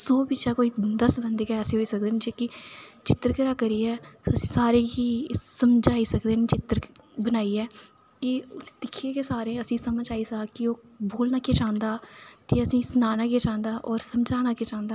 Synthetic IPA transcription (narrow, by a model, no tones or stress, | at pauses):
soːbɪt͡ʃaːkoːiːd̪əsbənd̪eːkɛːseːɦoːiːsək̚d̪eːnd͡ʒeːkɪt͡ʃɪt̪ːəɾkəɾaːkəɾiːɛːsəsĩːsaːɾeːɦiːsəmd͡ʒaːiːsəkd̪eːnet͡ʃɪt̪ːəɾbənaːiːɛː | kɪʊsd̪ɪkʰːeːkeːsaːɾẽːəsĩːsəməd͡ʒaːiːsaːkɪoː | boːlnaːkeːt͡ʃãːnd̪aːt̪eːəsĩːsənaːnãːkieːt͡ʃãːnd̪aːʔɔːɾsəmd͡ʒaːnaːkeːt͡ʃãːnd̪aː